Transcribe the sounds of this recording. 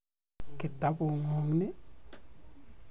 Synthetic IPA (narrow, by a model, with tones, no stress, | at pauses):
kɪ˨ta˨˦pʊ˨ŋɔ˨ŋnɪ˦